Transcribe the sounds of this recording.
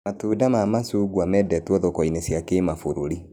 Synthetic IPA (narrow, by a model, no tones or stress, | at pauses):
matuːdamamasuːɡuamɛdɛtwɔðɔkɔinesjakemafoɾoɾi